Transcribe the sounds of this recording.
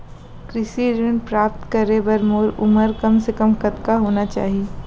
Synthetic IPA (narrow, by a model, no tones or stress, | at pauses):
kɾɪʃiɾɪnpɾaːpt̪kɐɾebɐɾmoːɾʊməɾkɐmsekəmkɐt̪kaɦoːnat͡ʃa̰ːɦieː